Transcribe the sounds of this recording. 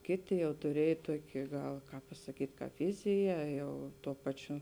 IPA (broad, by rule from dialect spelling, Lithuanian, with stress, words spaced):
ˈkʲeːˌtʲeː jɛʊ tʊˈrʲiɛj ˈtuɔkʲɪ ˈɡɐlˠ ˈkɑːp pɐsɐˈkʲiːtʲ ˈkɑːp ˈʋʲɪzʲɪjɛ ˈjɛʊ ˈtuɔ ˈpɑːˌt͡ʃʲʊ